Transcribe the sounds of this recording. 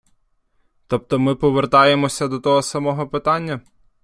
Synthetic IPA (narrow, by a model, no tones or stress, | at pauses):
t̪ɔp̚t̪ɔmɪpɔʋert̪ɑjemɔsʲɐd̪ɔt̪ɔɦɔsɐmɔɦɔpɪt̪ɑnʲːɐ